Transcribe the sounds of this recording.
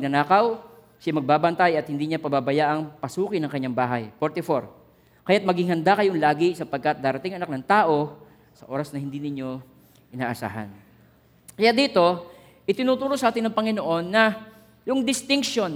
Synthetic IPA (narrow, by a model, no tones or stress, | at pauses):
ɐɡ̚nɐnaːkɐw | ʃamɐɡ̚baːbɐnt̪ajɐt̪̚hɪnd̪iːɲapɐbabɐjaʔɐŋpɐsuːkɪnɐŋkɐɲːaŋbaːɦɐjpoɾt̪ɪfoɾ | kɐjat̪̚mɐɡɪŋhɐnd̪akɐjoŋlaːɡɪsɐpɐɡ̚kɐt̪̚d̪aːɾɐt̪ɪŋʔɐnak̚nɐŋt̪aːʔo̞ | sɐʔo̞ːɾɐsnɐhɪnd̪inɪɲo̞ | ʔɪna̰ːʔɐsa̰ːɦɐ̰n | kɐjad̪iːt̪o̞ | ʔɪt̪ɪnuːt̪uːɾo̞sɐʔaːt̪ɪnːɐŋpɐŋɪnoʔo̞nːɐ | jʊŋd̪ɪst̪ɪŋkʃo̞n